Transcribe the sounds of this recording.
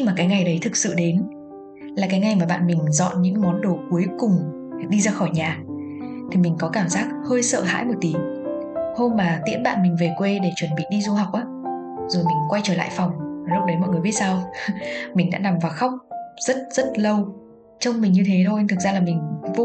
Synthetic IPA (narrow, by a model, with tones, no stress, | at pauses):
maː˨˩kaː˨˦jŋa˨˩jɗə˨˦jt̪ʰɨ˨˩k̚sɨ̰˧˨ɗe˨˦n | laː˨˩kaː˨˦jŋa˨˩jmaː˨˩ɓa̰ː˧˨nmï˨˩ŋ̟zɔ̰˧˨nɲɨ̰˧˥ŋmɔ˨˦nɗo˨˩ku˨˦jkʊ˨˩ŋ͡m | ɗi˧zaː˧xɔ˧˩jɲaː˨˩t̪ʰi˨˩mi˨˩ŋ̟kɔ˨˦kaː˧˩mzaː˦˥k̚həː˧jsə̰ː˧˨ɦa̰ː˧˥jmo˨˩t̚t̪i˨˦əŋho˧mmaː˨˩t̪ḭ˧˥ənɓa̰ː˧˨nmï˨˩ŋ̟ve˨˩kwe˧ɗe˧˩t͡ɕwə˧˩nɓḭ˧˨ɗi˧zu˧ha˨˩wk͡p̚ʔaː˨˦ | zo˨˩jmï˨˩ŋ̟kwa˧jt͡ɕəː˧˩la̰ː˧˨jfɔ˨˩wŋ͡mlo˦˥ɗə˨˦jmɔ̰˧˨jŋ˨˩jɓi˦˥t̚saː˧w | mï˨˩ŋ̟ɗa̰ː˧˥na˨˩mvaː˨˩xa˦˥wk͡p̚z̥ə˦˥t̚z̥ə˦˥t̚lə˧w | t͡ɕə˧wŋ͡mmï˨˩ɲɨ˧t̪ʰe˨˦t̪ʰo˧t̪ʰɨ˨˩k̚zaː˧laː˨˩mï˨˩ŋ̟vo˧